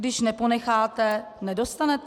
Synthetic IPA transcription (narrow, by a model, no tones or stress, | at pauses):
dɪʃnɛpo̞nɛxaːt̪ɛ | nɛdo̞st̪anɛt̪